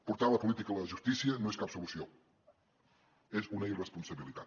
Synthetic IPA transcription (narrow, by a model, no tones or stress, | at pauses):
puɾt̪aləpulit̪ikələʒust̪isiənõeskapsulusio | ezunəirəspunsəβilit̪at̪